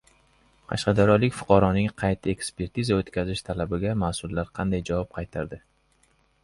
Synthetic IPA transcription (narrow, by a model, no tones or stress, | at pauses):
qʰɑ̰ʃqɑd̪aɾɒlɪkʲfʊ̥qʰɑɾɒnɪŋqʰɑjt̪ʰɪe̞kspe̞ɾt̪ʰizaot̪kʲʰazɪʃt̪ʰalabɪɡʲamaːsʊlːaɾqʰɑnd̪ajd͡ʒavɒp̚qʰɑjt̪ʰaɾd̪ɪ